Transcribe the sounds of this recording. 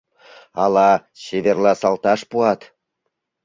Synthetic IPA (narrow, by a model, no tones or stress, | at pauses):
ɑlɑɕeβerlɑsɑlt̪ɑʃpuɑt̪